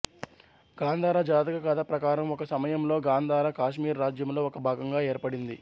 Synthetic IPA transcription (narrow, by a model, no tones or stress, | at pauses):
ɡ̥aːnd̪ʱaːɾad͡ʒaːt̪ɐkɐkɐt̪ɐpɾɐkaːɾɐmɔkɐsɐmɐjɐmlo̞ːɡaːnd̪ʱaːɾakaːʃmiːɾːaːd͡ʒjɐmlo̞ːɔkɐbʱaːɡɐŋɡaːeːɾpɐɽind̪i